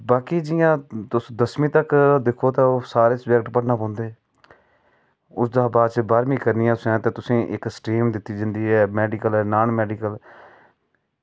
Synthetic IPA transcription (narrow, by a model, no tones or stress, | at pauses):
baːkiːd͡ʒɪjãːt̪ʊsd̪əsmĩːt̪əkd̪ekʰːoːt̪aːoːsaːɾeːsbək̚ʈpəɽnaːpɔ̃ːnd̪eː | ʊsd̪aːbaːt͡ʃbaːɾmĩːkəɾniːãːʊsãːt̪eːt̪ʊsẽːʔɪksʈɾiːmd̪ɪt̪ːiːd͡ʒə̃nd̪iːɦɛːmɛːɖɪːkəlɛːnaːnmɛːɖiːkəl